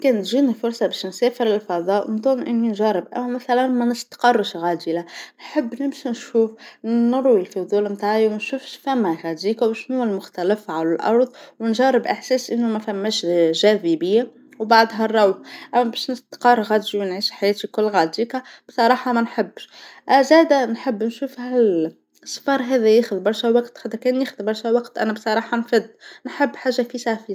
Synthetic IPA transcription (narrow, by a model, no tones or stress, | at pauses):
kɛːnt̪ʒiːnifʊɾsˤɑbɛːʃnsɛːfəɾɪlfɑðˤɑːʔmd̪ˤuːmʔɪnːinʒɑɾɪbʔæ̰mːæmæθælænmænɪst̪qɑrˤːʃɣæːd̪ilanħɪbːnɪbʃinʃuːfnʊɾˤwɪlfʊðˤuːlmt̪aːʕjwænʃʊfʃfæmːæɣæd̪iːkawʃnuælmʊxt̪ælɪfʕalʊlʔɑ̰ɾˤðˤwnʒɑrːɪbʔɪħsɛːsʔɪnːumæfæmːɛːʃʒæːvibɪjːæ | wbaʕd̪ɦɑrˤːɑwħʔæmːæbɛːʃnɪst̪qɑrˤɣæd̪iwnʕiːʃħajɛːt̪ikʊlːɣad̪iːkæb̥sˤɑɾˤɑːħɑmænħɪbːʃʔzæːd̪ænħɪbːnʃuːfhæl | sˤːfɑɾˤɦɛːðæjeːxʊðbɑɾˤʃæwɑqt̪xad̪ɾkɛːnjiːxʊðbɑɾˤʃæwɑqt̪ʔæ̰næbsˤɑɾˤɑːħɑnfæd̪ːnħɪbːħaːʒːafisafi